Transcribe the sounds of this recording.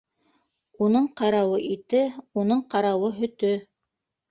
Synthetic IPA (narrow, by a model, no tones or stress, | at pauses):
unɤɴqɑɾɑwɤʔit̪ɘunɤɴqɑɾɑwɤɦɵ̆t̪ɵ